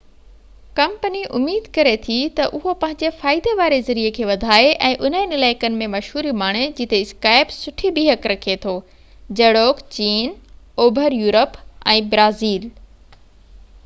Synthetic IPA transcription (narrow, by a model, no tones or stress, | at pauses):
kɐ̃mpəniʔʊmiːd̪kɐɾet̪ʰit̪ɐʔʊɦopɐ̃ɦɪ̃ɲd͡ʑefaːɪd̪eʋaːɾezɐɾiekʰeːʋɐd̪ʱaːeʔɛ̃ːʔʊn̤ə̃nɪlaːɪkənɪ̆mẽmɐʃɦuːɾimaːɽ̃ed͡ʑɪt̪eɪskaːɪbsʊʈʰibiɦɐkɾɐkʰet̪ʰoː | d͡ʑɐɽoːkt͡ɕiːnoːbʱəɾjuːɾəpɛ̃ːbɾaːziːl